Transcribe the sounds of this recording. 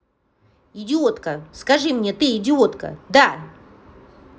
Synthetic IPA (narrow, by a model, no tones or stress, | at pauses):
ɪdʲɪot̪kəskɐʐɨmnʲet̪ɨɪdʲɪot̪kə̰d̪a